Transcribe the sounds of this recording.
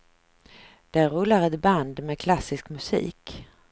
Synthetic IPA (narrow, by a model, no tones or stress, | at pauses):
d̪̥æɾɾɵlːaɾɛt̪band̪mɛkʰlasɪskmɵsḭːk